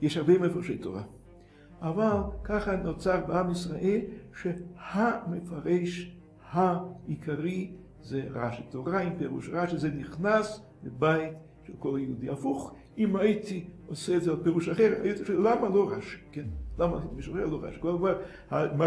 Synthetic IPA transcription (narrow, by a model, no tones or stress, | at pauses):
jeʃhaʁbejmefaʁʃejt̪o̰ʁa̰ | ʔavalkaχanot͡saʁbeamisʁaʔelʃehamefaʁeʃ | haikʰaʁi | zeʁaʃit̪oʁaimpeʁṵʃʁaʃizeniχnas | bebajt | ʃelkoljeud̪iafuχ | imajit̪ioseːdzealpeʁuʃaχeʁa̰jit̪iʃelamaloʁaʃi̥kenlamait̪imiʃχeʁloʁa̰ʃi̥kolkvaʁ | hama